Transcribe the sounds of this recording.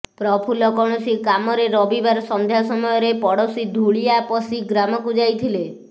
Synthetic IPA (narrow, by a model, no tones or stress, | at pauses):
pɾɔpʰulɔkɔɽ̃ɔsikamɔɾeɾɔbibaɾsɔnd̪ʱjasɔmɔjɔɾepɔɽɔsid̪ʱuɭijapɔsiɡɾamɔkud͡ʒajt̪ʰile